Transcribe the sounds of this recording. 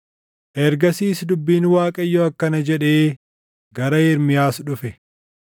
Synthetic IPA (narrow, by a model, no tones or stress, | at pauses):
ʔɛɾɡɐsiːsd̪ʊbːiːnwaːkʼɐjːoɐkːɐnɐd͡ʒɛᶑeː | ɡɐɾɐjɛɾmɪjaːsᶑʊfɛ